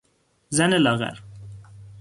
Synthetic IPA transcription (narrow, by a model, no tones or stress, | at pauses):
zænelɑɣæ̰ɾ